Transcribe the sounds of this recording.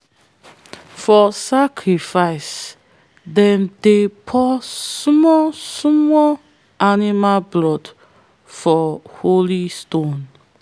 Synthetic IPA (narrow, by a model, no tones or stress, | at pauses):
fɔsakʰɹifaɪs | dɛ̃mdepʰɔsmɔsmɔ | animalblɔd | fɔholistõn